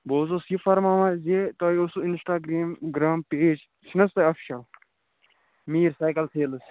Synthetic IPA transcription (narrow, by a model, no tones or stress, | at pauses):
boːzoːsifɐɾmãːmãzet̪oːiosuinsʈaːɡɾeːmɡɾaːmpeːd͡ʒ | t͡ʃʰnɐst̪ɐɐfi̥ʃɐl | miːɾsaːjkɐlsʰeːls